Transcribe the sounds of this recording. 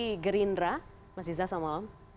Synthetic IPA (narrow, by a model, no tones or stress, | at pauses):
ɡəɾinra | mas̬izasamalam